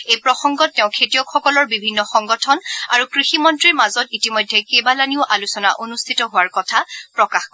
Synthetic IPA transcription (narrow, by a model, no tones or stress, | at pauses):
ejpɹɔxɔŋɡɔtːɛʊ̃kʰetijɔkʰxɔkɔlɔɹbibʱinːɔxɔŋɡɔtʰɔnaɹukɹiximɔntɹiɹmazɔtitimɔjdʱɛkebalaniʊʔalusɔnaʔonustʰitɔɦʊwaɹkɔtʰapɹɔkaxk